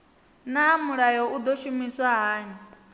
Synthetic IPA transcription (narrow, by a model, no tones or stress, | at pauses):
namuɺajɔʔud̪ɔʃumiswaɦaːɲi